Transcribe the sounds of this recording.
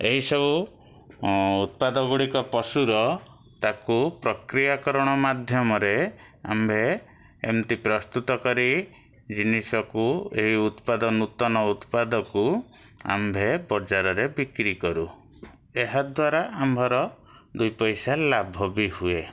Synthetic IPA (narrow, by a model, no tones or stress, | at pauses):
eɦisɔbu | ut̪̚pad̪ɔɡuɽikɔpɔsuɾɔ | t̪akupɾɔkɾijakɔɾɔɽ̃ɔmad̪ʱjɔmɔɾea̰mbʱe | ḛmt̪ipɾɔst̪ut̪ɔkɔɾi | d͡ʒinisɔkueɦiut̪pad̪ɔnut̪ɔnɔut̪pad̪ɔku | a̰mbʱebɔd͡ʒaɾɔɾebikɾikɔɾu | eɦad̪waɾaambʱɔɾɔ | d̪ujpɔjsalabʱɔbihue